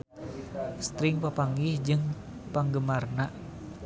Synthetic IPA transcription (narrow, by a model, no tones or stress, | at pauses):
st̪ɾɪŋpapaŋɡɪhd͡ʒɨŋ | paŋɡəmarnaʔ